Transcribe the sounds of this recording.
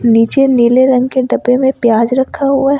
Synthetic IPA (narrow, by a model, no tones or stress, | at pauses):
niːt͡ʃeniːleɾɐ̃ŋɡkeɖɐbemẽpjaːd͡ʒɾɐkʰːaɦuaɦ